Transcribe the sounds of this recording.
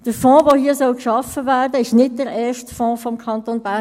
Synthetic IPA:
d̥əɾfɔ̃ːʋoːhiəsɔlkʃɑfəvæːrdəɪʃnɪt̚d̥əɾɛːʃtfɔ̃ːfɔmkʰɑnt̪oːnbæ

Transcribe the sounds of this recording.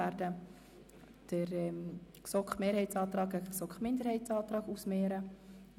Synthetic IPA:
æɾdə | d̥əɾɛksɔkχmeːɾhɛɪt͡sɑːt̪rɑːɡəksɔkχmɪndəɾhɛɪtt͡sɑːt̪ɾɑːɡusmeːɾə

